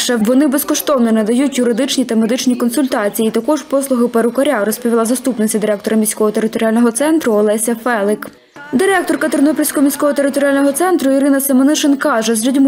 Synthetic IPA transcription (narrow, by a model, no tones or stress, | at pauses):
ʃɛʋɔnɪbeskɔʃt̪ɔwnenɛd̪ɐjutʲjʊɾɪd̪ɪt͡ʃnʲit̪ɐmed̪ɪt͡ʃnʲikɔnsʊlʲt̪ɑt͡sʲijiːt̪ɐkɔʒpɔslˠʊɦɪpɐɾʊkɐɾʲaɾɔspɔʋʲilˠɑzɐst̪upnɔsʲɐd̪ɪɾɛk̚t̪ɔɾɐmʲisʲkɔɦɔt̪eɾɪt̪ɔɾʲjalʲnɔɦɔt̪sɛnt̪ɾʊɔlˠɛsʲɐfɛlˠɪk | d̪ɪɾɛkt̪ɔrkɐt̪ernɔpʲilʲsʲkɔɦɔmʲijsʲkɔɦɔt̪eɾɪt̪ɔɾʲɪjalʲnɔɦɔt̪sɛnt̪ɾʊiɾɪnɐsɐmɐnɪʃenkɑʒɛzɾʲudʲm